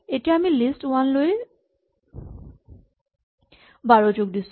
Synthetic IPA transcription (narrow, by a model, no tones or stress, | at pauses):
eʈiamilisʈwanloe | baɹot͡ʃoɡd̪is